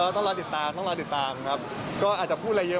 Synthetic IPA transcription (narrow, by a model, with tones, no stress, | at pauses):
t̪ɔ˥˩ŋlɔː˧˥t̪i˨˩t̪ːaː˧mt̪ʰɔː˥˩ŋlt̪i˨˩t̪ːaː˨mkʰa˦˥p̚ | kɔː˥˩ʔaː˨˩t̪̚t͡ɕa˨˩pʰuː˥˩t̪̚a˧jə˧˥